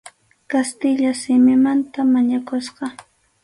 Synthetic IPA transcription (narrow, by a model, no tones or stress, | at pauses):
kast̪ɪʎasɪmɪmant̪amaɲakosqɑ